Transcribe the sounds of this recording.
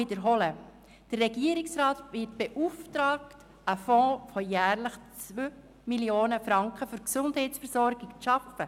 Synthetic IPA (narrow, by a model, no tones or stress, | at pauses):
idəɾɦɔlə | d̥ərːɛɡiːəɾɪksɾɑːtvɪtb̥eʔuftɾɑːkt | əfɔ̃ːfɔjæːɾləχt͡sʋøː | miljoːnəfɾɑŋkχəfʏɾksʊndhɛɪtsfəɾsɔɾɡ̥ɪkt͡sʃɑfə